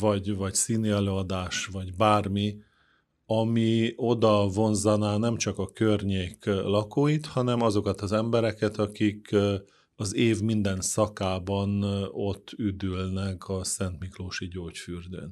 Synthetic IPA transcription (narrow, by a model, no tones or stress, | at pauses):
vɒɟvɒcsiːniɛløːɒd̪aːʃvɒɟbaːrmi | ɒmio̞d̪ɒvo̞nzɒnaːnɛmt͡ʃɒkɒkørɲeːklɒkoːjit̪hɒnɛmɒzo̞kɒt̪ɒzɛmbɛɾɛkɛt̪ɒkik | ɒzeːvmind̪ɛnsɒkaːbɒno̞t̪ʰːyd̪ylnɛkɒsɛnt̪mikloːʃiɟoːcfyrd̪ø̰ːn